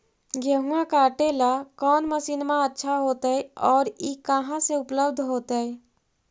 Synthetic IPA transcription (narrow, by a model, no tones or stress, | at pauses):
ɡeɦũãkaʈelakɔːnməsiːnmãətːʃʰaɦoːt̪əɛɔːɾikəɦãseʊpləbd̪ʱɦoːt̪əɛ